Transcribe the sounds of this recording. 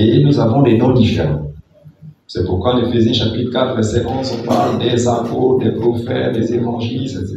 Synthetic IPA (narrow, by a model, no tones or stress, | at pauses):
enuzavɔ̃d̪ɛnɔ̃d̪ifḛʁɑ̰̃ | sɛpuʁkwalefezjɛ̃ʃapit̪χəkat̪χvɛʁsɛʔɔ̃zɔ̃pald̪ɛzãpod̪ɛpχɔfɛ̰t̚d̪ɛzevɑ̃ʒilsɛse